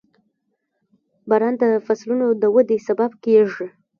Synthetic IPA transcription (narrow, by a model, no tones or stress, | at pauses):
bɑɾɑnd̪əfaslunod̪əwəd̪esababkeʐə